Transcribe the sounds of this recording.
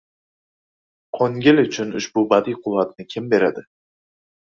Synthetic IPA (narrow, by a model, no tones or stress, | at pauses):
qʰoŋɡʲɪlʊt͡ʃʰʊnʊʃbʊbad̪ijqʰʊlˠat̪nɪkʲʰɪmbe̞ɾad̪ɪ